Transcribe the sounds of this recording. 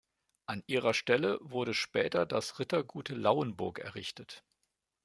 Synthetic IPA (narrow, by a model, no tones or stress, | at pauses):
ʔanʔiːʁ̞ɐʃtɛləvʊɐɾəʃpɛːtɐdasʁɪtɐɡuːtlaʊənbʊɐkɛ̰ɐʁɪçtət